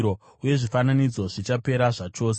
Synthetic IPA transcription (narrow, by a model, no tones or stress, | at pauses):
ɾo | uje̞ʐifananid͡zo̞ʐit͡ʃape̞ɾaʐat͡ʃo̞ːs̬e